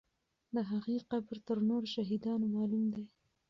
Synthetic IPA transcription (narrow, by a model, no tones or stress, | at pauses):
d̪əɦaɣeqabɾt̪əɾnoɾʃaɦid̪ɑnomɑlumd̪e